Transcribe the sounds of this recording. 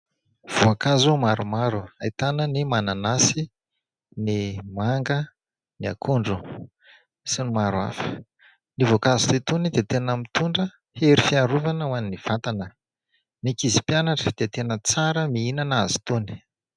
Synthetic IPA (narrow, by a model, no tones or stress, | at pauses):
v̥uakazumaɾumaɾuajt̪anənimananasi | nimaŋɡə | nia̰kʰuɳɖ͡ʐu | sinimaɾua̰fi̥ | nivokazi̥t̪it̪unid̪et̪enəmit̪uɳɖ͡ʐə | heɾifiaɾuvanəwaniniv̥at̪anə | nikizi̥pjanaʈ͡ʂəd̪̥et̪enət͡saɾəmiinanazi̥t̪uni̥